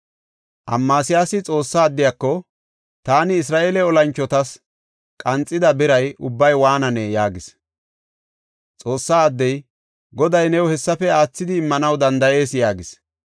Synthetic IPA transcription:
ʔɐ̰mːaːsɪjaːsɪt͡sʼo̞ːsːaːd̪ːɪjakːɔ | t̪aːnɪːs̬ɾaːʔeːlɛɔlɐnt͡ʃːɔt̪ɐs | kʼɐnt͡sʼːɪd̪ɐbɪɾɐjʔʊbːɐjwaːnɐnɛjaːɡɪs | t͡sʼo̞ːsːaːd̪ːɛj | ɡɔd̪ɐjnɛwhɛsːɐfɛaːt͡sːɪd̪ɪːmːɐnɐwd̪ɐnd̪ɐje̞ːsjaːɡɪs

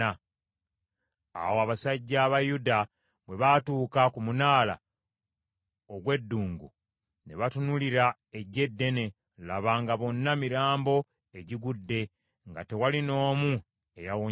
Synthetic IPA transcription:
a | a̰woaβasaɟːaːβajuda | βwe̞βatuːkakumunaːla̰ | oɡwe̞dːuːŋɡṵ | ne̞βatunuliɾa | e̞ɟe̞dːe̞ne̞ | laβaːŋɡaβo̞nːamiɾaːmbo̞ | e̞ɟiɡudːe̞ | ŋɡa̰te̞walino̞ːmu | e̞jawo

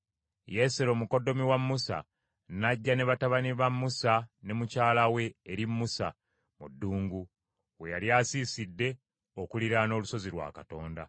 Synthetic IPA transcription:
je̞selo̞ːmuko̞do̞miwamːusa̰ | naɟːane̞βataβaniβamːusane̞mucaːlawe̞ːɾimːusa̰ | mudːuːŋɡu | we̞jaljaːsiːsidːe̞ | o̞kuliɾano̞ːluso̞ziɾwa̰ːkato̞ːnda̰

